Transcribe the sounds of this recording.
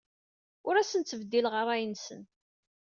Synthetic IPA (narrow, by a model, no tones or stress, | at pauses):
ʊɾæsənt͡sːəvd̪ːilʁərˤæjənsən